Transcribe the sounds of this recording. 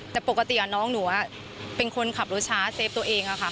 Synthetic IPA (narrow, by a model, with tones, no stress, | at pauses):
t̪ɛː˨˩po˨˩kːa˧t̪i˨˩ʔa˨˩nɔː˦˥ŋnu˩˦ɐ | pe˧nkʰo˧nkʰa˨˩p̚ɾuː˦˥t͡ɕʰaː˦˥seː˦˥p̚t̪u˧ɐ˧ʔeː˧ŋʔa˨˩kʰa˦˥˩